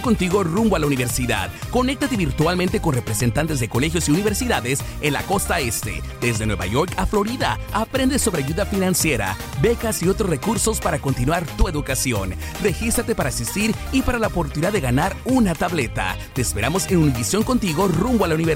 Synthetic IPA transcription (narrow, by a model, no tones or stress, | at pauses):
kont̪iɣo̞rumboalauniβe̞ɾsiða̰ðko̞ne̞k̚t̪at̪e̞βiɾt̪walmẽnt̪e̞ko̞nre̞pɾese̞nt̪ant̪e̞zðeko̞le̞xjosiuniβe̞ɾsiðaðe̞s | enla̰ko̞st̪ae̞st̪e̞̰d̪ezðe̞nweβa̰ʝo̞ɾkaflo̞ɾiða | apɾe̞nd̪esːo̞βɾe̞aʝuðafinansje̞ɾa̰ | be̞kasiot̪ɾozre̞kuɾso̞spaɾako̞nt̪inwaɾt̪ue̞ðukasjo̞n | re̞xist̪ɾat̪epaɾaːsist̪iɾ | ipaɾalaopo̞ɾt̪uniðaðeɣanaɾunat̪aβle̞t̪a̰ | t̪e̞ːspe̞ɾamo̞senuniβisjo̞ŋko̞nt̪iɣo̞rumboalauniβe